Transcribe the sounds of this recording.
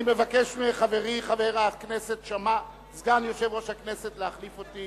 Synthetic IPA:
ime̞vake̞ʃmeχave̞ʁiχave̞ʁakneset̪ʃama | zɡanjo̞ʃe̞vʁo̞ʃhakne̞setleaχlifo̞t̪i

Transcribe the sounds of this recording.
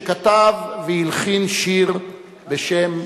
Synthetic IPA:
kat̪avːehilχinʃiʁ | beʃem

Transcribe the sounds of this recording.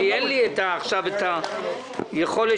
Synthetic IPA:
enlietaːχʃaveta | jeχo̞le

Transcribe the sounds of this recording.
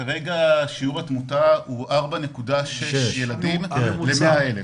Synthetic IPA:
kaʁe̞ɡaʃiuʁatmutauʔaʁbanekudaʃeʃjeladimlemeaele

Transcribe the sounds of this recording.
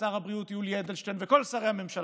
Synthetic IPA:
aʁhabʁiut̪juljed̪elʃtenveko̞lsaʁe̞haame̞mʃal

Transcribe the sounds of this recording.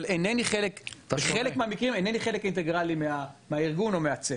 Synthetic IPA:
leneniχelekelekmeamikʁimeneniχelekint̪eɡʁalimeameaiʁɡuno̞meat͡se

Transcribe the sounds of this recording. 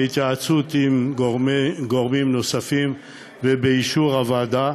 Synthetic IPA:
it̪jaat͡sut̪im | ɡo̞ʁmimno̞safim | vebeiʃuʁavaːd̪a

